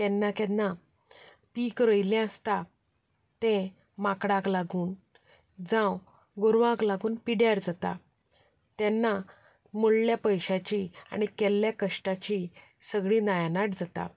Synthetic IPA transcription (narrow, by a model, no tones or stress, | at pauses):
t̪ɛnːakɛnːa | pikɾəjlɛ̃əst̪a | t̪ɛ̃ | makɽãklaɡuːn | d͡zãw | ɡoɾʋãklaɡuːnpiɽjaɾd͡zat̪a̰ | t̪ɛnːa | moɭljapəjɕat͡ɕia̰ɽ̃ikɛlːjakəʂʈat͡ɕi | səɡɭinajanaʈd͡zat̪a̰